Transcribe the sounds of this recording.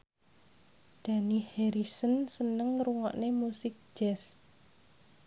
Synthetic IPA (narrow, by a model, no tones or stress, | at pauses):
d̪̥a̤niheɾisənsənəŋɾuŋɔ̰ʔnemusɪk̚d͡ʒ̥ɛs